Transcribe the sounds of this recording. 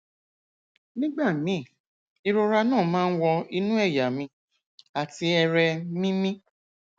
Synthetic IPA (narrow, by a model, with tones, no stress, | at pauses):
nĩ˦ɡ͡ba˦˨mĩ˨˦˨ | i˧ɾo˧ɾa˧nãː˦˨mãː˦n̩˦wɔ˧i˧nũ˦ɛ˦˨ja˨mĩ˧˦ | a˨ti˧ɛ˧ɾɛ˧mĩ˦mĩ˦